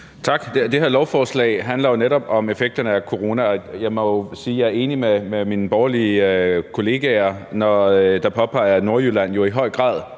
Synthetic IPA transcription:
t͡sʰɑ̈ɡ̥d̥d̥e̝heɐlɒʊfɒːslɛ̰ɪɦænlɐjo̝neɾɒ̽b̥ɒ̽me̝feɡ̥̚d̥ɐnəækʰo̝ʁo̝ːnæɒjɑ̈ɪmɒjosiːjɑ̈æɐe̝ːnimememinəb̥ɒʊɐlikʰo̝le̝ːɡ̥æɐnɒd̥ɑ̈pʰɒ̽pʰɑ̈ɪ̰ɐno̝ɐjylæn̰jo̝iɦɒ̽ɪ̰ɡ̥ʁɑ̰̈ːðˠ

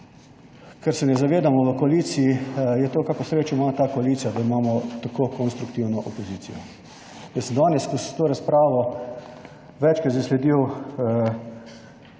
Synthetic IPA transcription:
kɛɾsɛnɛzaʋeːd̪amɔʋəkɔalit̪siijɛt̪okaːkosɾeːt͡ʃɔimaːt̪aːkoaliːt̪sijad̪aimaːmɔt̪akokɔnst̪ɾukt̪iwnɔʔopɔziːt̪sḭjɔ̰ | jəsəmd̪anɛskɔsɛt̪oːɾaspɾaːʋɔ | ʋɛt͡ʃkɐt̪sɛslɛd̪iw

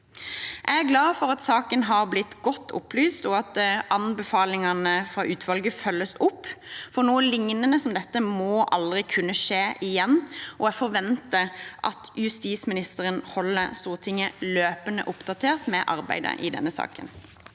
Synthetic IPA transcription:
ʔæɪæɾɡlɑːfɔɾɑt̪sɑːkənɦɑʁblɪt̪ːɡɔt̪ʰːʊ̰plyːst̪ɔɑt̪ʔɑnbəfɑːlɪŋɑnəfʁɑːʔʉːt̪ʰʋɑlɡəfœlːəsʊpːfɔɾnuːəlɪŋnənəsɔmd̪ɛt̪ːəmɔːʔɑ̰ld̪ʁɪkʰʉnːəʂeːʔɪjɛnːʔɔæfɔɾʋɛnt̪əʔɑ̰t̪jʉst̪iːsmɪnɪst̪əʁənhɔlːəst̪uːʁt̪ʰɪŋəløːpənə̰ʔʊpd̪ɑt̪ʰeːʁt̪mɛʔɑ̰ʁbæ̰ɪd̪ə̰ʔɪ̰d̪ɛ̰nːəsɑ̰ːkə̰n

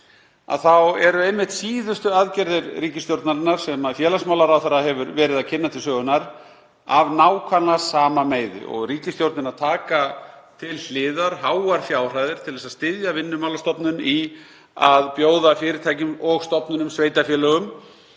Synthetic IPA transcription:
a̰ðθawɛɾʏejmːɪht̪siːðʏst̪ʏaðcɛɾðɪɾriːcɪst̪jowɾt̪naɾɪnːaɾ̥sɛmaðfjɛːlasmaːwlaɾawθaɾːaɦɛvʏɾvɛːɾɪðacʰɪnːat̪ʰɪlsœːɣʏnaɾ | avnaːwkʰvanlasaːmameːjðɪ̰ʔɔ̰ɣriːcɪst̪jowɾt̪nɪnaɾt̪ʰaːkat̪ʰɪll̥ɪːðaɾɦaːwaɾ̥fjaːwr̥ajðɪɾ̥t̪ʰɪlðɛsaðst̪ɪðjavɪnːʏmawlast̪ɔpnʏni | aðpjoːwðafɪːɾɪɾt̪ʰaːjcʏmɔɣst̪ɔpnʏnʏmsveːjt̪afjɛːlœɣʏm

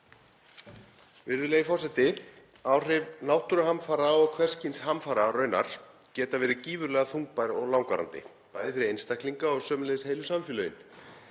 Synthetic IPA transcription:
vɪɾðʏleːɣɪfɔrsɛt̪ɪ | aːwr̥ɪvnaːwht̪ʏɾʏhamfaːɾaɔɣkʰvɛ̥scɪnsɦamfaːɾarœːɥna̰ɾ̥ | cɛːt̪avɛːɾɪciːvʏɾlɛɣaθuŋk̚pajɾɔɣlawŋkvaɾa̰nt̪ɪ̰ | ajvɾɪejnst̪ahk̪liŋkaɔɣsœːmʏnlejðsheːjlʏsamfjʏlœːɥʏn

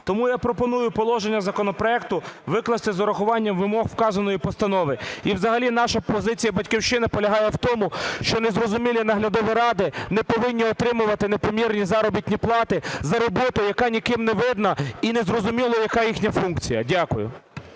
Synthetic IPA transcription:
t̪ɔmujapɾɔpɔnujʊpɔlˠɔʒenʲːɐzɐkɔnɔpɾɔɛkt̪ʊʋɪklˠɐst̪ɪzɔɾɐxʊʋɑnʲːɐmʋɪmɔɦwkɑzɐnɔjipɔst̪ɐnɔʋɪiwzɐɦɐlʲinɑʃɐpɔzɪt͡sʲijɐbɐtʲkʲiwʃɪnɪpɔlʲɐɦɑjɛwt̪ɔmʊʃt͡ʃɔnezrɔzʊmʲilʲinɐɦlʲɐd̪ɔʋʲiɾɑd̪ɪnɛpɔʋɪnʲːiɔt̪ɾɪmʊʋɐt̪ɪnepɔmʲirnʲizɑɾɔbʲit̪ʲnʲiplˠɑt̪ɪzɐɾɔbɔt̪ʊjɐkɑnʲikɪmneʋɪd̪nɐinezɾɔzʊmʲilˠɐjɐkɑjixnʲɐfunkt͡sʲijɐ̰dʲakʊjʊ̰

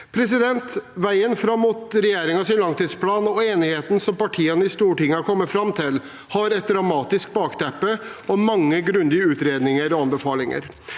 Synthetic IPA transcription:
pʰɾɛs̬ɪd̪ɛnt̪ʋæɪənfɾɑmːuːt̪ɾɛjeːɾɪŋɑsɪnlɑŋt̪ʰiːd̪spʰlɑːnɔeːnɪheːt̪n̩sɔmpɑʈʰiːənəɪst̪uːʈɪŋːəɑɾkʰɔmːəfɾɑmt̪ʰɪl | hɑɾɛt̪̚d̪ɾɑmɑːt̪ɪsk̚bɑːkt̪ʰɛpːəɔmɑŋːəɡɾʉnd̪ɪəʉːt̪ɾeːd̪nɪŋəɾɔɑnbəfɑːlɪŋə̰ɾ

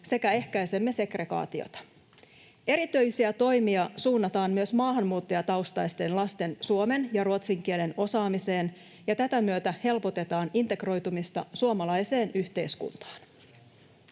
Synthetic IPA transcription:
se̞kæe̞hkæjse̞mːe̞se̞kre̞ɡɑ̰ːt̪io̰t̪ɑ̥ | e̞ɾit̪yjsiæt̪o̞jmiɑsuːnːɑt̪ɑːmmyøsmɑːɦɑmːuːt̪ːojɑt̪ɑwst̪ɑjst̪e̞nlɑst̪e̞nsuome̞njɑɾuot̪siŋk̟ie̞le̞no̞sɑːmise̞ːn | jɑt̪æt̪æmyøt̪æhe̞lpo̞t̪e̞t̪ɑːnint̪e̞kro̞jt̪umist̪ɑsuomɑlɑjse̞ːnyçt̪e̞jskṵnt̪ɑ̥ːn

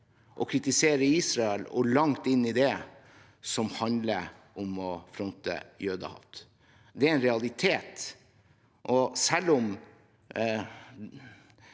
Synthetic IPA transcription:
ʔɔkʰɾɪt̪ɪseːɾəiːsɾɑɛlɔlɑŋt̪ɪnːɪd̪ɛ | sɔmhɑnd̪ləɾʔɔmɔfɾɔnt̪ə̰jøːd̪ɑ̰hɑ̰ft̪ | d̪ɛæɾɛnɾɛɑlˠɪt̪ʰeːt̪ | ʔɔsɛlːɔm

